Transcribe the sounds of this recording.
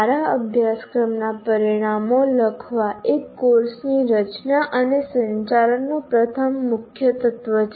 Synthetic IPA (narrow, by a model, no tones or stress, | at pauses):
ɾaəbʱjaskɾəmnapəɾiɽ̃amoləkʰʋaekːoɾsniɾət͡ʃnaʔənesə̃ɲt͡ʃaɾənːopɾət̪ʰəmːʊkʰjət̪ət̪ʋə